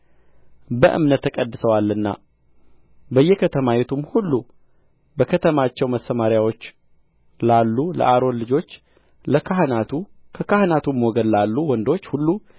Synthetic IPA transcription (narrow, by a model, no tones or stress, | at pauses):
bəʔɨ̰mnət̪ʰːəkʼəd̪ːɨsəwalːɨnːa̰ | bəjːɛkʰət̪ʰəmajet̪ʰumhulːu | bəkʰət̪ʰəmat͡ʃːɛwməsːəmaɾjawo̞t͡ʃː | lalːulə̰ʔaɾo̞nlɨd͡ʒo̞t͡ʃː | ləkʰaɦnat̪ʰukʰəkʰahnat̪ʰumːoɔɡəd̪lalːuwɔnd̪o̞t͡ʃːhulːu